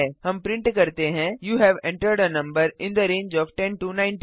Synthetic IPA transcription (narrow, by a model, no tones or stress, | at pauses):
ɛhɐ̃mpɾɪ̃ɳʈkɐɾt̪eɦɛ̃juːɦɛʋɛ̃ɳʈəɾɖənɐ̃mbəɾɪ̃nd̪əɾẽːnd͡ʒɔːʋʈɛ̃nʈunãɪ̃nʈ